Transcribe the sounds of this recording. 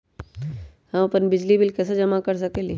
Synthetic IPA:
hɐmapənbɪd͡ʒlibɪlkɛːsed͡ʒɐmakəɾs̬ɐkeːli

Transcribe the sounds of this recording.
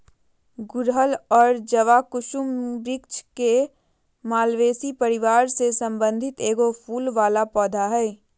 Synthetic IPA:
ɡʊɾɦəlɔːɾd͡ʒəʋakʊʃʊmbɾɪk̚t͡ʃke | maːlʋeːsipəɾɪʋaːɾsesɐ̃mbə̃nd̪ʱɪt̪eːɡopʰuːlʋaːlapɔːd̪ʱaɦɛː

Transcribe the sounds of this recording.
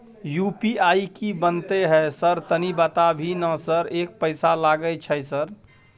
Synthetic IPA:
juːpiaːikibənt̪eɦɛsəɾt̪ənibət̪abʱinəsəɾeːk̚pəɪsalaɡəjt͡ʃʰɛsəɾ

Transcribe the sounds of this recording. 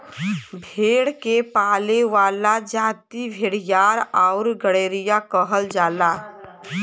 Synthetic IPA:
bʱeːɽkepaːleʋaːlad͡ʒaːt̪ibʱeːɽ̤ɪjaːɾaʊɾɡəɽeːɾɪjakəɦəld͡ʒaːlaː

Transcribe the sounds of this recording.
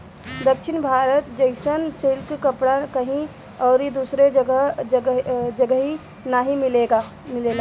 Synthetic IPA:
d̪əkʃʰɪnbʱaːɾət̪d͡ʒəɪsənt͡ʃelkkəpɽakəɦĩ | ɔːɾid̪usɾe | d͡ʒəɡəɦi | naɦĩmɪleɡa | mɪlela

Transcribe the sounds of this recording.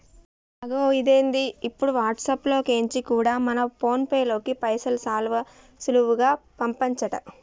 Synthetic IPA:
ɐɡoːid̪e̞ːnd̪iːpːuɽuʋaːʈsɐplo̞ːke̞ːɲt͡ʃikuːɽaːmɐnɐpo̞ːnpejlo̞ːkipɐjsɐlsaːlʋɐ | suluʋuɡaːpɐmpɐɲt͡ʃɐʈɐ̰

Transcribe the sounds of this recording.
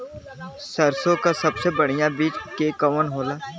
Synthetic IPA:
səɾsõkasɐbsebəɽ̤ɪjãbiːt͡ʃkekəʋənɦoːlaː

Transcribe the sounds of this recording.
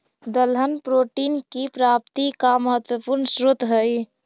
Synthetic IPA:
d̪əlɦənpɾoʈinkipɾap̚t̪ikaməɦət̪wəpuɾnsɾut̪ɦəj

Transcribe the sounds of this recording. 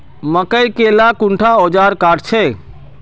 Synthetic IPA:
məkəjkelakũɳʈʰaod͡ʒaɾkaːɖt͡ʃʰe

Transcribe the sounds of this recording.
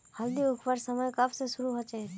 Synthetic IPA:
həld̪iʊkʰpəɾsəməjkapsesuɾuɦot͡ʃe

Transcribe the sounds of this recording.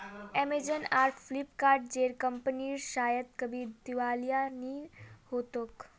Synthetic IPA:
ɛːmed͡ʒənaːɾʈʰfʰlɪpkaːɾɖ̚d͡ʒeːɾkə̃mpəniɾʃaːjət̪kɐbʱid̪ɪʋaːlijanihoːt̪ok

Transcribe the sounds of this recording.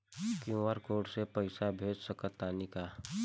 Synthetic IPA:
kjũʋəɾkoːʈsepəɪsabʱeːd͡ʒsəkət̪ːaːnikaː

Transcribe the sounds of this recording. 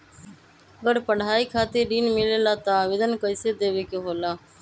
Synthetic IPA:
əɡəɾpəɽ̤aːiːkʰaːt̪iɾɖiːnmɪleːlaːt̪aʋɪd̪ənkəɪsed̪eːʋeːkeɦoːlaː

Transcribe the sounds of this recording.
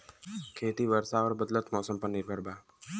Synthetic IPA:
kʰeːt̪iːʋəɾsaʋəɾbəd̪lət̪mɔːsəmpəɾnɪɾbʱəɾbʱaː

